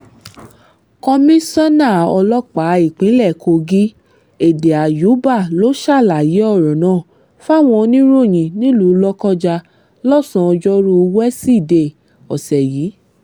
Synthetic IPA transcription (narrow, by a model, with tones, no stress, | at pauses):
kɔ˧mĩ˦sa˦nã˦˨ɔ˧lɔ˦k͡pa˨˦i˨k͡pĩ˨˦lɛ˦˨kʰo˧ɡi˦ | e˨de˨a˨ju˨˦ba˦˨lo˦ʃa˦˨la˨ji˨˦ɔ˦˨ɾɔ̃˨nãː˦˨ | fa˦˨w̃ɔ̃˧nĩ˦ɾo˦˨j̃ĩ˧˨nĩ˦lu˨˦lɔ˦kɔ˦d͡ʒa˧ | lɔ˦˨sɔ̃˨˧ɔ˧d͡ʒɔ˦ɾu˧wɛ˦si˦˨de˨ | ɔ˨sɛ˨ji˨˦